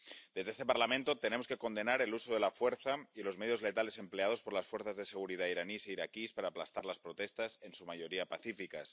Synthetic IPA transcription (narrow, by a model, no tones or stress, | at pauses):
d̪ezðeest̪epaɾlamẽnt̪o̞t̪e̞ne̞mo̞ske̞ko̞nd̪e̞naɾe̞lusoðe̞lafwe̞ɾθailo̞zmeðjo̞zle̞t̪ale̞se̞mple̞að̞o̞spo̞ɾlasfweɾθazðe̞se̞ɣ̞uɾið̞aiɾaniseiɾakispaɾaːplast̪aɾlaspɾot̪e̞st̪ase̞nsumaʝo̞ɾiapaθifika̰s